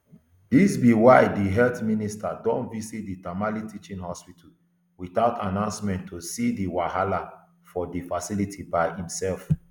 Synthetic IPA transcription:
disbiwaɪdiɦɛltministadɔ̃nvisit̚ditamalitit͡ʃĩnhɔspitʰa | wiθaʊtʰanãʊ̃nsmɛ̃nttʰːosidiwaɦala | fɔdifasilitʰibaɪĩmsɛlf

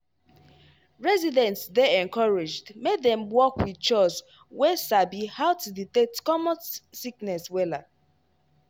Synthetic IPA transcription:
ɹɛzidɛ̃ntsðeɛ̃ŋkɔɹed͡ʒdmedɛ̃mwɔkwiðt͡ʃɔs | wesabihaʊtuditetkɔmɔ̃nsiknɛswɛla

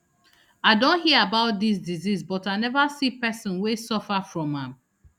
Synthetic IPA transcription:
aɪdõnɦiəɹabaʊt̚d̪isdizisbɔtaɪnɛvasipɛsɔ̃nwesɔfafɹɔ̃mãm

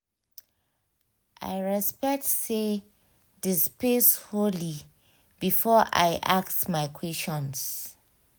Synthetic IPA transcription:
ʔa̰ɪɹɛspɛk̚tse | dispesholi | b̥ifɔʔa̰ɪʔaksmaɪkʰwɛst͡ʃɔ̃ns

